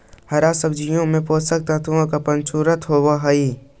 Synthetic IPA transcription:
hɐɾasəbd͡ʒijõmẽpoːsək̚t̪ət̪ʰuõkapɐnt͡ʃuːɾət̪ɦoːʋaɦɐi

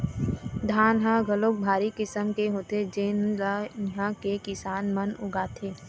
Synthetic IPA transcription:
d̪ʱaːnɦãɡəloːk̚bʱaːɾikɪsəmkeɦoːt̪ed͡ʒeːnlaɦãkekɪsaːnmənʊ̰ɡaːt̪ʰeː

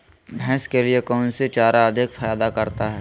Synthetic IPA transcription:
bʱɛ̃ːskeliekɔːnsit͡ʃaːɾaɐd̪ʱɪkfajaːd̪akɐɾt̪aɦɛː

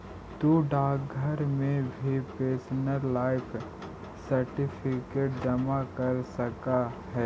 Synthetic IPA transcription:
t̪uːɖaːkɡʱəɾmẽbʱipeːsnəɾlaːɪpʰ | sɐɾʈɪpʰɪkeːʈ̚d͡ʒɐmakɐɾsɐkaɦɛː

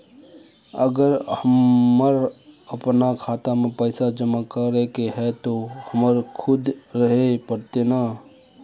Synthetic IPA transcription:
əɡəɾhəəɾəpnakʰaːt̪amẽpəɪsad͡ʒəmakəɾekeɦɛt̪ohəməɾkʰʊd̪ɾəɦepəɾt̪ena

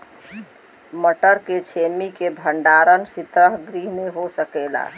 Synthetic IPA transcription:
məʈəɾket͡ʃʰemikebʱəɳɖaɾənsit̪ɾəɦɡɾiɦneɦosəkɛla̰

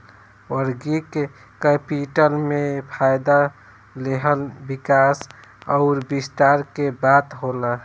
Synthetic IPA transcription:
wəɾɡike | kəpiʈəlmepʰajd̪a | leɦəlbikasɔʊɾbist̪aɾkebat̪ɦola

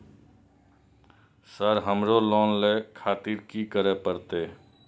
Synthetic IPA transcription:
səɾɦəmɾolɔːnlekʰaːt̪iɾkikəɾəpəɾt̪eː

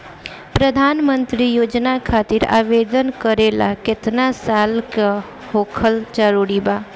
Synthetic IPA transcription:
pɾəd̪ʱaːnmə̃nt̪ɾijoːd͡ʒnakʰaːt̪ɪɾa̰ːʋeːd̪ənkəɾeːla̰kɪt̪nasaːlka | hoːkʰəld͡ʒəɾuːɾibaː

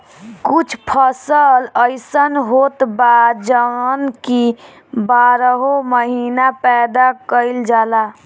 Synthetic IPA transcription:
kut͡ʃʰpʰəsələɪsənɦot̪bad̪d͡ʒəənki | baɾəɦoməɦinapɛd̪akəɪld͡ʒala

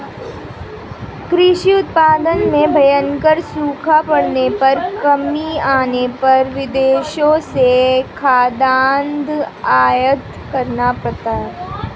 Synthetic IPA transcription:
kɾɪʃiʊt̪̚paːd̪ənmẽbʱɐjənkəɾsuːkʰapɐɽ̤nepɐɾkɐmiaːnepɐɾʋɪd̪eːʃõsekʰaːd̪aːnd̪ʱaːjət̪ | kɐɾnapɾɐt̪aːɾ

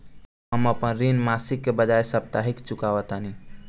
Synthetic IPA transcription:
ɦəməpənɾinmasikːebəd͡ʒajsəpt̪aɦikt͡ʃukaʋət̪ɦani

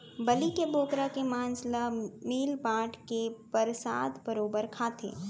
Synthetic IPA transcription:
bɐlikebʱoːkɾakemaːnslamiːlpaːʈkepəɾsaːd̪bɐɾoːbəɾkʰaːt̪ʰḛː

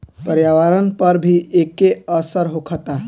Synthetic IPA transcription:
pəɾjaʋaɾənpəɾbʱiʔekeəsəɾɦokʰət̪a

